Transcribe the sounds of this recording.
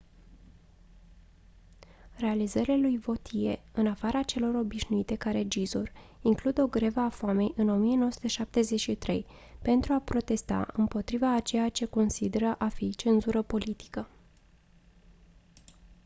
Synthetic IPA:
re̞alizəɾialujvo̞t̪ʰie̞ɨnafaɾat͡ʃe̞lo̞ɾo̞biʃnuit̪e̞kaɾe̞d͡ʒizuriŋklud̪o̞ɡɾe̞vəafame̞jʔɨno̞mije̞no̞wəsu̥t̪e̞ʃap̚t̪e̞ze̞t͡ʃʃit̪ɾe̞̰j | pe̞nt̪ɾuapɾo̞t̪e̞st̪a̰ɨ̰mpo̞t̪ɾivaːt͡ʃe̞jat͡ʃe̞ko̞nsid̪e̞ɾəʔafit͡ʃe̞nzuɾəpo̞lit̪i̥kə

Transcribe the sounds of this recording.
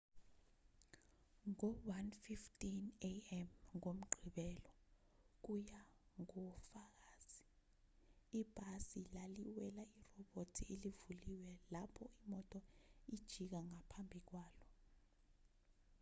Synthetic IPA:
ŋɔwanfiftʰʼineɛmŋom̩ɡ͡ǃʱiɓɛlɔ | k̬ujaŋɔfak̬aːz̥i | ib̥ʱasilaliwɛlairɔɓotʰielivuliwɛlapʰɔimɔtʼɔid̥ʒ̥ʱik̬aŋapʰambʱik̬waːlɔ

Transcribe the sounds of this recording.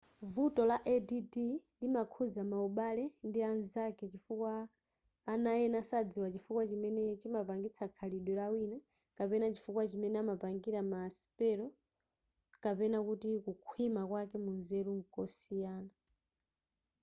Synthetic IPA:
vutɔlaʔɛdididimakʰuzamauɓalɛndianzakɛt͡ʃifukwaː | najɛnasad͡ziwat͡ʃifukwat͡ʃimɛnɛt͡ʃimapaŋɡit͡sʰakʰaliɗwɛɾawina | kapɛnat͡ʃifukwat͡ʃimɛnɛamapaŋɡiɾamaːsi̥pɛɾɔ | kapɛnakutikukʰwimakwakɛmunzɛɾuŋkɔsijaːna

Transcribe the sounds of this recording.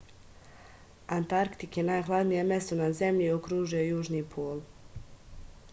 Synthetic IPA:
ant̪aɾkt̪ikjenaːjxlˠad̪nijeme̞st̪unaze̞mʎiokɾuːʒujojuːʒniːpʰoːl

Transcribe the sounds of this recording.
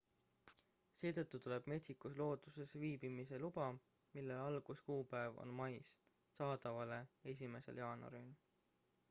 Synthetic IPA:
se̞ːt̪ɤt̪ˑːut̪ule̞b̥me̞t̪sikuslo̞ːd̪use̞sviːbimise̞lub̥ɑ | milːe̞lɑlɡ̥uskuːpæevo̰nmɑjs | sɑːd̪̥ɑvɑle̞e̞s̬ʲime̞se̞̰ljɑːno̰ɾil

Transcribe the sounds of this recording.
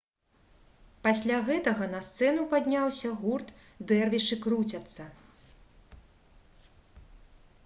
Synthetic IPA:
pasʲlʲaɣɛt̪ɐɣɐnɐst̪sɛnupad̪ʲnʲawsʲɐɣurt̪ | d̪ɛrvʲiʂɨkɾut͡sʲɐt̪sːɐ

